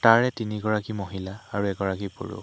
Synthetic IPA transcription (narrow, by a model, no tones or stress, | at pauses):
taɹɛtiniɡɔɹakimoɦilaːɹuɛɡɔɹakipo̰ɹṵ